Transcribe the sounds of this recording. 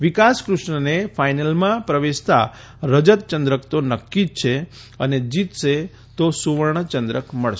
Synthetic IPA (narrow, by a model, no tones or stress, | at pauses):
ʋikaskɾʊʃɳənefajnəlmãpɾəʋeʃt̪a̰ | ɾəd͡ʒət̪̚t͡ʃənd̪ɾəkt̪onəkːit͡ʃʰe | əned͡ʒit̪ʃe | t̪osuʋəɾɳ̃t͡ʃənd̪ɾəkməɭʃ